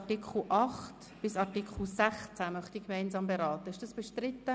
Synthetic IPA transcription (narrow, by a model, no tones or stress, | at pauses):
tɪkχl̩ʔɑχt | b̥ɪsɑɾtikχl̩sæχt͡sæmœχtikmɛɪnzɑːmbeɾɑːt̪əɪʃd̥ɑsb̥ɛʃtɾɪtːə